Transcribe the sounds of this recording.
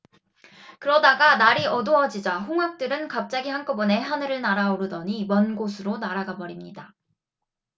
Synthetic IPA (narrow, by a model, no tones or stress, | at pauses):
kɯɾʌdaɡanaɾiʌdoʌd͡ʑid͡ʑaɸoŋɦak̚t͈ɯɾɯnkap̚t͡ɕ͈aɡiɦank͈obʌne̞ɦanɯɾɯɭnaɾaoɾɯdʌɲimʌnɡosʰɯɾonaɾaɡabʌɾimɲida